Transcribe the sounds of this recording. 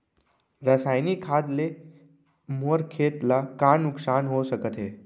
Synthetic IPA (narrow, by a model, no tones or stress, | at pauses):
ɾəsajnikʰad̪le | moɾkʰeːt̪lakanuksanɦosəkət̪ɦeː